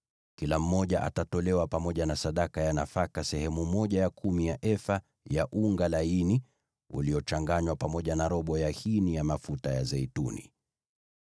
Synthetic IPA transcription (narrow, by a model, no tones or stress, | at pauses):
kilam̩ːɔʄaʔa̰tatɔlɛwapamɔʄanasaɗakajanafakasɛhɛmumɔʄajakʰumijaʔɛfa | jaʔuŋɡalaini | ṵliɔt͡ʃaŋɡaɲwapamɔʄanaɾɔɓɔjahinijamafutajazɛitunḭ